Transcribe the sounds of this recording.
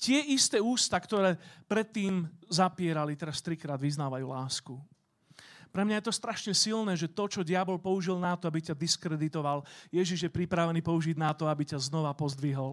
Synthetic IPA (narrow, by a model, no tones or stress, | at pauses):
c̪ɪɛʔist̪ɛːuːst̪akt̪ɔɾɛːpɾɛt̪ːiːmzapɪɛɾalit̪ɛɾast̪ɾikɾaːd̪ʋiznaːʋajuːlaːsku | pɾɛmɲajɛt̪ɔst̪ɾaʃɲɛsilnɛːʒɛt̪ɔt͡ʃɔɟɪabɔlpɔuʒilnat̪ɔabicad̪iskɾɛd̪it̪ɔʋaljɛʒiʒjɛpɾipɾaʋɛniːpɔuʒiɟnat̪ɔabicaznɔʋapɔzd̪ʋiɦɔl